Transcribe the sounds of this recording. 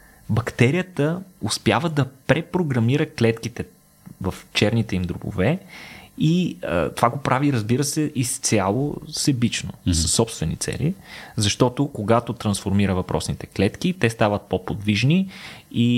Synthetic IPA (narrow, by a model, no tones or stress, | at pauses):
bɐkt̪ɛɾijət̪əʊspjavəd̪ɐpɾɛpɾoɡɾɐmiɾəklɛt̪kit̪ɛ | vɐft͡ʃɛɾnit̪ɛimd̪ɾubʊ̰vɛ | iə̰t̪ov̥aɡopɾʔaviɾəzbiɾəsɛʔist̪sʲalˠo̰sɛbit͡ʃno̰səsːɔpst̪vɛnḭt̪sɛ̰lḭzɐʃt̪ɔt̪okoɡat̪ot̪ɾɐnsfoɾmiɾəvɐpɾʔɔ̰snit̪ɛ̥klɛt̪kit̪ɛst̪avət̪̚popod̪viʒnii